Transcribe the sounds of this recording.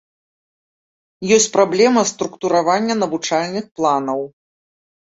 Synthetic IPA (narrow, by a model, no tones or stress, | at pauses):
jɔsʲt͡sʲpɾablʲɛmɐst̪ɾukt̪uɾavanʲːɐnɐvut͡ʂalʲnɨxplˠanɐw